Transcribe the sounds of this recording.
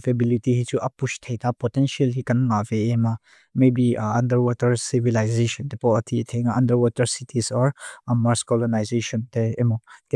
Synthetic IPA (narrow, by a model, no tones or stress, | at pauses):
pʰebilitihit͡ʃuʔɐpustʰejtapɔtɛnsialhikanŋaveːma | mebiɐ̃ndəɾwɔtɐɾsivilajzeʃɔntepɔtʰitʰeŋaɐndəɾwɔtɐɾsitʰisɔɾmaɾskɔlɔnajzeʃɔnteːmɔ